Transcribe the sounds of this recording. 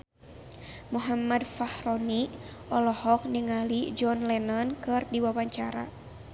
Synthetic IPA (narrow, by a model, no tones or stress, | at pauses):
muɦamadfahrɔni | ʔɔlɔhɔk̚niŋalid͡ʒɔnlɛnɔnkɨrdiwawaɲt͡ʃaɾa̰